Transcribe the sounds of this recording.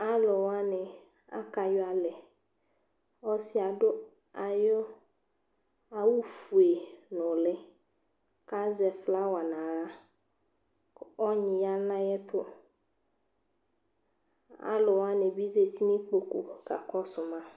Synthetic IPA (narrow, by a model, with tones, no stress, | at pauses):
a˦lʊ˨wa˦nɪ˨ | a̰˦ka˨jʊ˦a˨lɛ˨ | ɔ˦si˦a˨dʊ˦ | a˨jɔ˦ | a˨wu˦fu˨e˨nʊ̃˨lɪ˦ | ka˦zɛ˨fla˦wa˨nã˨ɾa˦ | ɔ˦ɲɪ̃˨ja˦nã˦jɛ˦t̪ʰʊ˦ | a̰˦lʊ˨wa˦nɪ̃˨bi˦ze˨ti˦nĩ˦k͡po˨ku˨ka̰˨kɔ˦sʊ˨mã˦